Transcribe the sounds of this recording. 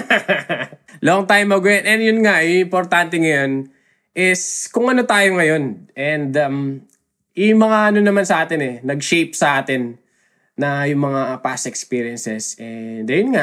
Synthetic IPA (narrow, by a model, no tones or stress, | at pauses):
loŋt̪aːjomːɐɡʊjɐnʔɛnd̪jʊnŋaʔɪmpoɾt̪ant̪̬ɛŋɐjo̞n | ʔɪskʊŋɐnot̪aːjoŋɐjo̞nʔɛnd̪ɐm | ɪmɐŋaʔɐnonɐmansɐʔaːt̪ɪnɛnɐɡʃejp̚sɐʔaːt̪ɪnː | ɐjʊŋmɐŋapasɛkspiɾɪɛnsɛsʔɛd̪ɐjʊnŋa